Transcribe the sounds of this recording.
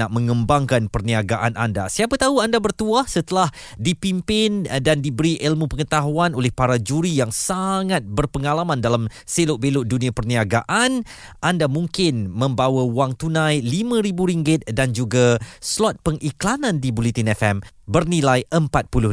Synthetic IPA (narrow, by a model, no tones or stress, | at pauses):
aʔ̚mə̃ŋə̃mbaŋkanpərniaɡaʔanʔa̰nda̰siapat̪aɦuandabərt̪uahsət̪əlah | dipimpɪndandibəɾiʔɛlmũpəŋət̪aɦuanolɛhpaɾad͡ʒuɾijaŋsaŋat̪̚bərpəŋalamãndalam | selʊʔ̚belʊʔdunĩapərniaɡaʔan | ʔandamũŋkɪnmə̃mbawawaŋt̪unãjlimãɾibuɾiŋɡɪt̪̚dand͡ʒuɡaslɔt̪̚pəŋʔiklanãndibulit̪inɛfɛmbərnilajʔəmpat̪̚pulʊ